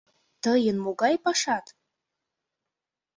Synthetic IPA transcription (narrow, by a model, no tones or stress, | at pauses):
t̪ʰəjɪnmoɡajpaʂat̪ʼ